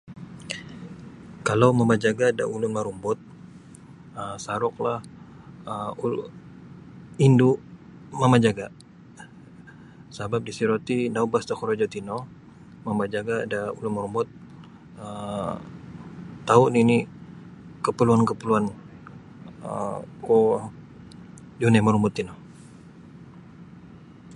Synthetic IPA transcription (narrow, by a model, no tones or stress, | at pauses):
kalawmamad͡ʒaɡada̰ʔulʊnmaɾumbɔt̪̚ | əsaɾɔk̚lah | əu | indu | mamad͡ʒaɡa | sabap̚disiɾot̪inaubast̪ɔkɔɾod͡ʒot̪inɔ | mamad͡ʒaɡadauluməɾumʊt̪̚ | ə | t̪auʔnini | kəpəluankəpəluan | ə̰ko | d͡ʒunɛməɾumʊt̪ːinɔ